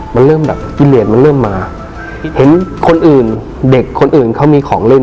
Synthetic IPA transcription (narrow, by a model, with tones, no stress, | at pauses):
ma˧nlɤː˥˩mbɛ̰ː˨˩p̚kiː˧˩li˨˩t̪̚ma˧nlɤː˥˩mːaː˧ | he˨˩˦nkʰo˧nʔɯː˨˩n | de˨˩kʰːo˧nʔɯː˨˩nkʰa˥˩wmiː˧kʰɔː˩˦ŋle˥˩n